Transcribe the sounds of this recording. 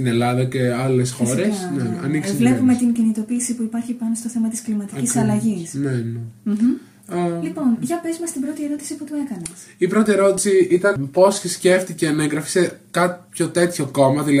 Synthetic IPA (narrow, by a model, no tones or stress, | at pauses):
ine̞lɐðɐce̞ɐle̞sxo̞ɾesneɐ̰nikisevlepume̞t̪iɲcinit̪o̞piːsipuipɐɾçipɐno̞st̪o̞θe̞mɐt̪isklimɐt̪icisɐlɐʝisnene | lipo̞nʝɐpezumɐst̪ibɾo̞t̪ie̞ɾo̞t̪i̥siput̪ue̞kɐnesipɾo̞t̪ie̞ɾo̞t̪i̥siit̪ɐnpo̞sçisce̞ft̪ice̞nɐeŋɡɾɐfi̥sekɐt̪pço̞t̪e̞t̪ço̞ko̞mɐðilɐ